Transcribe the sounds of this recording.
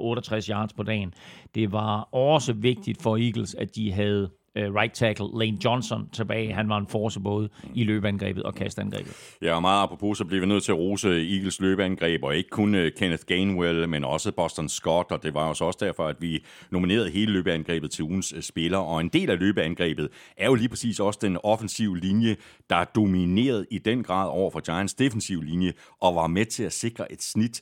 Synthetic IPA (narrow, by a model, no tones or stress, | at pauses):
ʔɔ̽ːɾɒt͡sʰʁasjɑ̈ːd̥spʰɒ̽d̥ɛ̰ːnd̥e̝ʋɑ̈ɒ̽səʋe̝ɡ̥̚d̥id̥fɒ̽iːɡ̥l̩sæd̥iɦæð̞̩ˠ | ʁɑ̈ɪ̥t͡sʰæɡ̥l̩ˠleːnjɒ̽nsɒ̽nt͡sʰe̝b̥ɛ̰ːɪɦænʋɑ̈e̝nfɒːsəb̥ɔ̽ːð̞̩ˠilø̰ːb̥əænɡ̥ʁɛ̰ːb̥ð̩ˠɒ̽kʰæsd̥ænɡ̥ʁɛ̰ːb̥ð̩ˠjɑ̈ʋɑ̈mɑ̈ːð̩ˠɑ̈pʰʁo̥pʰo̝̰sɒ̽bleʋinøð̰ˠt͡sʰe̝æʁo̝ːsəiːɡ̥l̩sløːb̥əænɡ̥ʁɛ̰ːb̥ɒ̽e̝ɡ̥ə̥kʰɔnkʰenəðɡ̥enwelmenɒ̽səb̥ɒsd̥ɒnsɡ̥ɒ̽d̥ɒ̽d̥e̝ʋɑ̈osɒ̽sə̥d̥æɐfɒ̽æd̥ʋi | no̝mine̝̰ːɐð̞̩ˠɦe̝ːləløːb̥əænɡ̥ʁɛ̰ːb̥ð̩ˠt͡sʰeuːn̩ssb̥e̝lɐʔɒ̽e̝nd̥e̝̰ːlæløːb̥əænɡ̥ʁɛ̰ːb̥ð̩ˠʔæɐjo̝liːpʰʁɛ̥sḭːsɒ̽səd̥enɒ̽fənsiʊəlinjə | d̥ɑ̈æd̥o̝mine̝̰ːɐð̞ˠid̥enɡ̥ʁɑ̰̈ːð̰ˠɒʊ̰ɐfɒ̽d̥jɑ̈ɪɐnd̥sd̥e̝fen̩siʊlinjə | ʔɒ̽ʋɑ̈met͡sʰe̝æse̝ɡ̥ʁɐʔe̝d̥snid̥